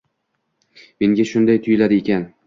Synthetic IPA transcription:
meŋɡʲaʃʊnd̪ajt̪ʰʊjɪlad̪ɪekʲʰan

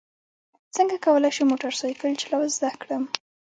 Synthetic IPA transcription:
t͡səŋɡakawəlajʃejmoʈaɾsajkəɽit͡ʃelawazd̪akɽəm

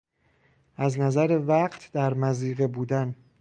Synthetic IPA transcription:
ʔæznæzæɾevæɢt̪ʰd̪æɾmæziːɣebuːd̪æn

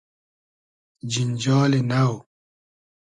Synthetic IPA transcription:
d͡ʑind͡ʑaːlenaw

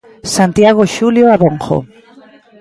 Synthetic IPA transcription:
sant̪jaɣ̞oʃuljoaβoŋxo̰

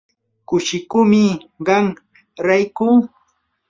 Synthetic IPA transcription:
kʊʃɪkʊmɪɢɑŋ | ɾajkʊː

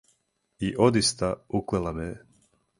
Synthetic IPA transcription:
iʔod̪ist̪auklɛlˠamɛ

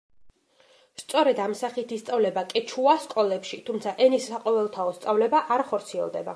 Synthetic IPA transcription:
st̪sʼɔɾɛd̪amsaχit̪ʰist̪sʼavlɛbakʼɛt͡ʃʰuaskʼɔlɛpʃit̪ʰumt̪sʰaʔɛnisːaqʼɔvɛlˠt̪ʰaɔst̪sʼavlɛbaʔaɾχɔɾt̪sʰiɛ̰lˠd̪ɛ̰ba̰

